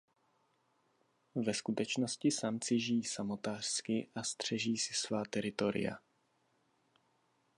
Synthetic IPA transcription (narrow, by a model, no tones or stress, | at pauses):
vɛskut̪ɛt͡ʃno̞scɪsamt͡sɪʒɪjiːsamo̞t̪aːr̥skɪʔast̪r̝̥ɛʒiːsɪ̥svaːt̪ɛɾɪt̪o̞ɾɪ̰ja̰